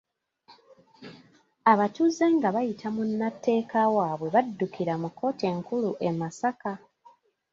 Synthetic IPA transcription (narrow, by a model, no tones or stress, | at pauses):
aβatuze̞ŋɡaβajitʰamunːatːe̞ːkawaːβwe̞βadːukiɾamukːo̞ːtie̞ŋkuluʔe̞masaka